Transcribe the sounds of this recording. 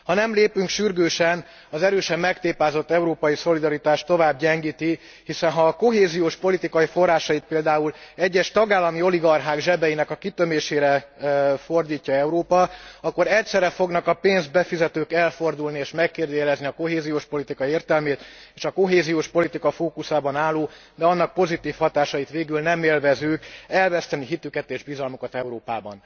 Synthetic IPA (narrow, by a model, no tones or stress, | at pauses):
hɒnɛmleːpyŋkʃyrɡøːʃɛn | ɒzɛɾøːʃɛmːɛkt̪eːpaːzo̞t̪ːɛuɾoːpɒjiso̞lid̪ɒɾit̪aːʃt̪o̞vaːbɟɛŋɡiːt̪i | hisɛnɦɒːko̞ɦeːzijoːʃpo̞lit̪ikɒjifo̞rːaːʃɒjit̪̚peːld̪aːulɛɟːɛʃt̪ɒɡaːlːɒmio̞liɡɒrɦaːɡʒɛbɛjinɛkɒkit̪ø̞meːʃeːɾɛfo̞rd̪iːcːɒɛuɾoːpɒɒkːo̞ɾɛct̪sɛɾɛfo̞ɡnɒkɒpeːnzbɛfizɛt̪øːkɛlfo̞rd̪ulnieːʃmɛkːeːrd̪øːjɛlɛzniɒko̞ɦeːzijoːʃpo̞lit̪ikɒieːrt̪ɛlmeːt̪eːʃɒko̞ɦeːzijoːʃpo̞lit̪ikɒfoːkusaːbɒnaːlːoːd̪ɛɒnːɒk̚po̞zit̪iːfhɒt̪aːʃɒjit̪ʋeːɡylnɛmeːlvɛzøːkɛlvɛst̪ɛniɦit̪ykɛt̪eːʒbizɒlmukɒt̪ɛuɾoːpa̰ːbɒ̰n